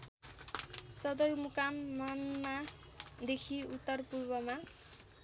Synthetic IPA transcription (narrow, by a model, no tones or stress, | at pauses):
sʌd̪ʌrmukamːʌnma | d̪ekʰiut̪ːʌrpurbʌma